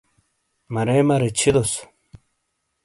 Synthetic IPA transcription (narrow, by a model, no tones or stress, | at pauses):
mɐɾemɐɾet͡ɕʰid̪os